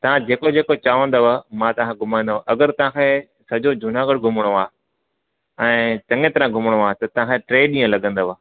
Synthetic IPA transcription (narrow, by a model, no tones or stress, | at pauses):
t̪ɐʋ̤ãd͡ʑeːkod͡ʑeːkot͡ɕaːʋə̃nd̪oʋəmãt̪ɐʋ̤ãkʰeɡʱʊmãĩnd̪aɦʔɐɡəɾt̪ɐʋ̤ãkʰe | sɐd͡ʑod͡ʑʱʊnaːɡəɽɡʱʊməɽ̃oaː | ɛ̃ːt͡ɕɐ̃ŋẽt̪ɐɾãɡʱʊməɽ̃oaːt̪ɐt̪ɐʋ̤ãkʰeʈɾeːɗĩːə̃lɐɠə̃nd̪oʋaː